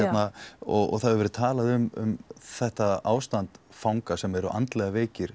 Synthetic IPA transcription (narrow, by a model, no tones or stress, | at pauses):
ɛt̪naɔɣɔ̰ɣθaðɛɾvɛɾʏ̥t̪ʰaːlaðʏmʏ̰mθɛht̪aa̰ːwst̪ant̪fawŋkasɛmɛɾʏʔa̰nt̪lɛɣaveːjcɪɾ̥